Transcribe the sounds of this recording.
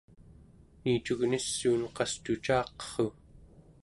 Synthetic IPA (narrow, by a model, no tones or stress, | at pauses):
niːt͡ʃuɣnisːuːnqɑst̪ut͡ʃɑːqʌ̥χu